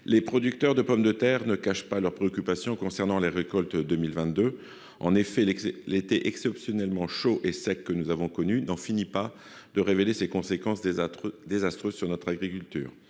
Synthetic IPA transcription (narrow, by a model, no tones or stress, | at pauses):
lepχɔd̪yk̚t̪œʁd̪əpɔmd̪ət̪ɛʁnəkaʃpalœʁpχeɔkʲypasjɔ̃kɔ̃sɛʁnɑ̃leʁekɔlt̪d̪əmilvɛ̃t̪d̪ø | ɑ̃nefɛlet̪ɛʔɛksɛpsjɔnɛlmɑ̃ʃoʔesɛkːənuzavɔ̃kɔnynɑ̃finipa | d̪̥əʁevelesekɔ̃sekɑ̃sd̪ezast̪χøzsyʁnɔt̪χaɡʁikʲylt̪y̰ːʁ